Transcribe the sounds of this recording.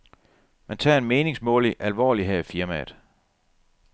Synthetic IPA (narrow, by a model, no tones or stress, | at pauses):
mænt͡sʰɑ̰̈ːe̝nmeːne̝ŋsmɔ̰̽ːliʔælʋɒ̰ːliɦefiɐmæd̥ˠ